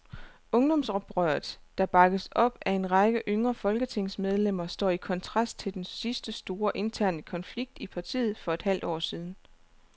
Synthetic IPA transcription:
ɔ̽ŋd̥ɒ̽msʁɒb̥ʁœɐð̩ˠd̥ɑ̈b̥ɑ̈ɡ̥əsɒ̽b̥æe̝nʁɑ̈ɡ̥əʔøŋʁɐfɒ̽lɡ̥ət͡sʰe̝ŋsmeð̞ˠlem̰ɐsd̥ɒ̰ːikʰɒ̽nt͡sʰʁɑ̈sd̥t͡sʰe̝ld̥ensisd̥əsd̥o̝ːɐʔe̝nt͡sʰæɐ̰nəkʰɒ̽nfliɡ̥̚d̥ipʰɑ̈t͡sʰḭːð̞̩ˠfɒ̽e̝d̥hæl̰d̥ɒ̰ːsiːð̞ˠn̩

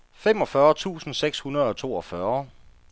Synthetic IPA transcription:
fem̰ɒ̽fɶːɐt͡sʰṵːsn̩seɡ̥shunɐð̞ˠɒ̽t͡sʰo̝̰ːɒ̽fɶɐ

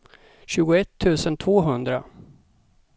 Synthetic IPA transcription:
ɕʉ̟ːɡʊɛt̪ʰːʉ̟ːsənt̪ʰvoːɦɵnd̪ɾa̰

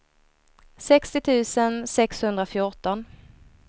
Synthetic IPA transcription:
sɛkst̪ɪt̪ʰʉ̟ːsənsɛkshɵnd̪ɾafjʊʈɔn

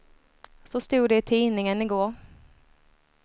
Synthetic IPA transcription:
sɔst̪uːɖɛɪt̪ʰiːnɪŋənɪɡoːɾ

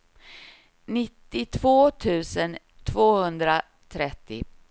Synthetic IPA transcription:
nɪt̪ːɪt̪ʰv̥oːt̪ʰʉ̟ːsən | t̪ʰvoːhɵnd̪ɾa | t̪ʰɾɛt̪ːɪ̰

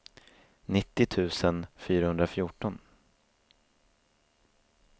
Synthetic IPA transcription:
nɪt̪ːɪt̪ʰʉ̟ːsənfyːɾahɵnd̪ɾafjʊːʈɔn

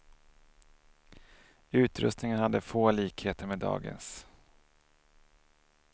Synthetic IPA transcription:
ʉ̟ːt̪ɾɵ̰st̪nɪŋənhad̪ːəfoːliːkheːt̪əɾmɛd̪ɑ̰ːɡə̰ns

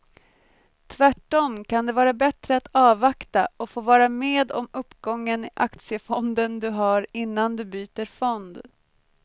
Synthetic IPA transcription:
t̪ʰvæʈːɔmkʰand̪ɛvɑːɾabɛt̪ɾəat̪ɑːvakt̪aɔfoːvɑːɾameːd̪ɔ̰mɵpːɡɔŋːənɪʔakt̪sɪəfɔnd̪ənd̪ɵɦaɾɪnːand̪ɵbyːt̪əɾfɔnd̪

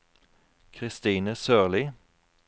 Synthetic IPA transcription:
kʰʁɪst̪iːnəsøːʁliː

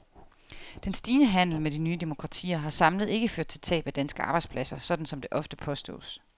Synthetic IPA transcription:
d̥ensd̥iːnəɦæn̰l̩medinyːd̥e̝mo̝kʰʁɑ̈t͡sʰḭːɐɦɑ̈sɑ̈mləð̞̩ˠe̝ɡ̥əføɐd̥̚t͡sʰe̝lt͡sʰɛ̰ːb̥æd̥ænsɡ̥əɑ̈bɑ̈ɪ̥spʰlæsɐsɒ̽d̥n̩sɒ̽md̥e̝ʔɒ̽fd̥əpʰɒ̽sd̥ɔ̰ːs

